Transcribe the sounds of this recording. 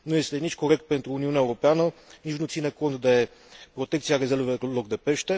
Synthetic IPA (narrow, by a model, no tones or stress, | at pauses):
noɛslɛnit͡ʃkoɾɛk̚t̪̚pɛnt̪uunionɛvɾopɛanəniʃnot̪sinəkont̪d̪ɐɛpɾot̪ɛkt̪sijaɾɛzɛlvovɛlˠoɡ̚d̪ɛpɛʃt̪ɛ